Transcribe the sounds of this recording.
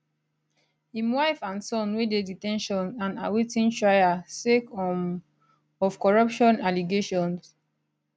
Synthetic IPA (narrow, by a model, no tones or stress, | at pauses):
hĩmwaɪfãnsɔ̃nwededitɛ̃nʃɔ̃nãna̰wetĩntɹajasekɔm | ɔfkɔɹɔpʃɔ̃naliɡeʃɔ̃ns